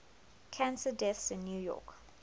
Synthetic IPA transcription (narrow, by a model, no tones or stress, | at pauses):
kʰãnsədɛθsɪ̃nːjujɔ̰k